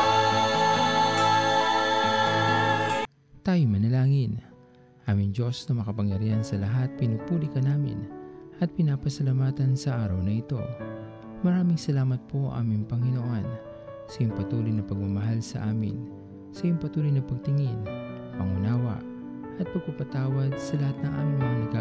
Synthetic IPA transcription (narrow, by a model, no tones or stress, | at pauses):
t̪aːjʊmɐnɐlaːŋɪn | ʔaːmɪŋd͡ʒo̞snɐmɐkɐpɐŋjɐɾiːhɐnsɐlɐɦat̪̚pɪnupuːlikɐnaːmɪ̰nʔɐt̪̚pɪnaːpɐsɐlamaːt̪ɐnsɐʔaːɾɐwnɐɪt̪o̞̰ | mɐɾaːmɪŋsɐlaːmɐt̪̚po̞ʔa̰ːmɪŋpɐŋɪnoʔo̞n | sɐjʊŋpɐt̪uːlijnɐpɐɡ̚mɐmɐɦalsɐ̰ʔaːmɪ̰n | sɐjʊŋpɐt̪uːlijnɐpɐɡ̚t̪ɪŋin | pɐŋʊnaːwɐ̰ʔ | ʔɐt̪̚pɐɡ̚pɐpɐt̪aːwɐd̪̚sɐlɐhat̪̚nɐŋʔa̰ːmɪŋmɐŋanɐɡa